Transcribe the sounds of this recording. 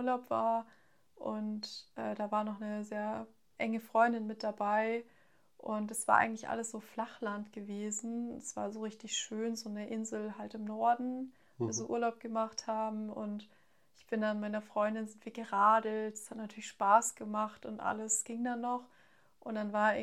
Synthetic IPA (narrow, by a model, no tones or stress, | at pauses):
ɐlaʊpv̥a̰ːɐ | ʔʊntʔɛːdaːvaːɐnɔχnəzeːɐ | ʔɛŋəfʁ̥ɔʏndɪnmɪt̚d̥abaɪ | ʔʊntd̥asv̥aːɐʔa̰ɪɡŋ̩tlɪçʔa̰ləsz̥oːflaχlantɡ̥əveːzn̩dasv̥a̰ːɐzoːʁɪçtɪçʃøːnzoːnəʔɪnzl̩ɦaltɪmnɔɐdn̩ | vo̰ziʔṵːɐlaʊp̚ɡ̥əmaχthaːbm̩ʊ̰nt | ʔɪçb̥ɪndanmaɪnɐfʁ̥ɔʏndɪnzɪntv̥iːɐɡəʁaːdlətd̥ḁshatnatʰyːɐlɪçʃpaːsɡ̥əmaχtʊntʔa̰ləsɡ̥ɪŋdanːɔχ | ʔʊnd̥anvaːɐ